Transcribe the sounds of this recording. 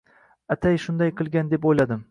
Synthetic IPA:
at̪ʰajʃʊnd̪ajqʰɨlˠɡʲand̪e̞pojlad̪ɪm

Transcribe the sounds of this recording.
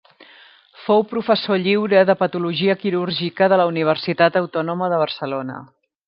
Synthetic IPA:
fowpɾufəsoʎiwɾəðəpət̪uluʒiəkiɾuɾʒikəðələuniβ̞ərsit̪at̪əwt̪ɔnuməðəβ̞ərsəlonə̰

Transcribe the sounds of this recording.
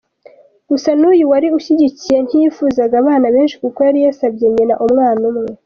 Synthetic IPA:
ɡ̥usanuːjuwaɾiuʃiɟicije̞n̥hiifuːzaɡaβaːnaβe̞ːnʃikukojaɾijasabɟe̞ɲenaʔumŋaːnumŋe

